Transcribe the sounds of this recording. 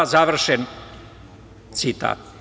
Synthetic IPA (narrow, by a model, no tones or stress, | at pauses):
azaʋr̩ʃen | t̪sit̪a̰ːt̪̚